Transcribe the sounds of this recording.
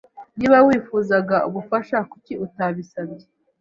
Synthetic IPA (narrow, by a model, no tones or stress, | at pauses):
niːβawiːfuzaɡaṵβufaʃakuciutaβisabje